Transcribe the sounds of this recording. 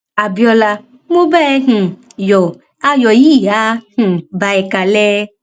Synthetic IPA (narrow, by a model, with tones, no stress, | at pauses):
a˨bɔ˦la˦ | mõ˦bɛ˦ɦ̩˨ | jɔ˨ | a˦jɔ˨ji˦a˦h̩˨ba˨ɛ˨ka˨lɛ˦